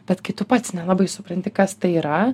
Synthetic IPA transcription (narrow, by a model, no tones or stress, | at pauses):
b̥ʲɛt̪kɐɪt̪ʊpɐt̪ʲsnʲɛlˠɑːbɐɪsʊpɾɐnʲt̪ʲɪkɐst̪ɐɪiːɾɐ